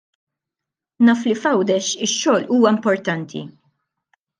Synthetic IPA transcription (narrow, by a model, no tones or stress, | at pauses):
nɐːflifɐwd̪ɛʃɪʃːɔːluːwɐɪmpɔɾt̪ɐnt̪ʰḭ